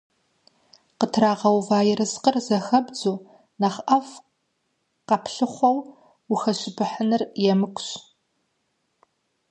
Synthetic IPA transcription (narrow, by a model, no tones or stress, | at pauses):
qətʰraːʁɐwvaːjɪɾɨsqərzɐxɐbd͡zuː | naχʔɐf | qɐpʰɬɨχʷɔw | ʊxɐɕɪbʰɨħənɨrjɛmɨkʷʰʼɕ